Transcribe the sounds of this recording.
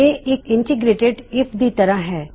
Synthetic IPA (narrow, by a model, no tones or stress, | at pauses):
eʔeːkɪ̃ɳʈɪɡɾeːʈeɖɪpd̪it̪ɐɾaɦɛː